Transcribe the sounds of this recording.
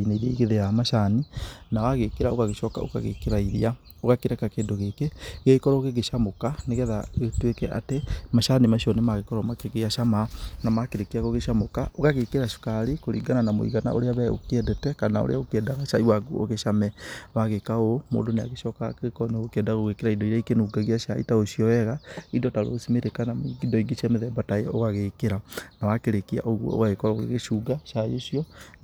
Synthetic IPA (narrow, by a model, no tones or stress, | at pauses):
ineiɾeiɣeðejamaʃaninawaɣekeɾaokaɣeʃɔka̰o̰ka̰ɣḛkeɾaiɾia | oɣakeɾɛkakeːndoɣeːkeɣekɔɾɔɣeɣeʃamokaneɣɛðaetwekɛʔa̰temaʃanimaʃiɔnemaɣekɔɾwamakeɣeaʃamanamakeɾekeɾaɣoɣeʃamokaokaɣekeɾaʃu̥kaɾikoɾḭːɡananamo̰ḭɣana̰ʔo̰ɾeaβɛo̰kɛdɛtɛkanao̰ɾḛaokeɛdaɣaʃaiwaɡuo̰ɣeʃamɛwaɣekaomo̰ːdonea̰ɣeʃɔkakekɔneɣokeɛdaaɣoɣekeɾaidɔiɾaikenuːɡaɣiaʃaḭtaoʃiɔɛɣaidɔtaɾo̰simeɾekanamidɔiɡeʃɛmeðɛbatajɛoɣaɣekeɾanawakeɾekia̰ʔoɣwɔ̰o̰ɣaɣekɔɾaoɣḛɣeʃuɡaʃajeʃiɔ